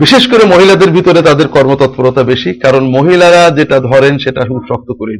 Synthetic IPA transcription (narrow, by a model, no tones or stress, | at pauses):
biʃeʃkoɾemoɦilad̪eɾbʱit̪oɾet̪ad̪eɾkɔɾmot̪ɔt̪̚poɾot̪abeʃikaɾonmoɦilaɾad͡ʑeʈad̪ʱɔɾenʃeʈaʃuʃɔk̚t̪okoɾin